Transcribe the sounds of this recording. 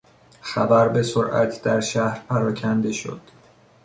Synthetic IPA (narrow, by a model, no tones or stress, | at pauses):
xæbæɾbe̞soɾʔæ̰t̪ʰd̪æɾʃæhɾpʰæɾɒːcʰænd̪e̞ʃo̰d̪̥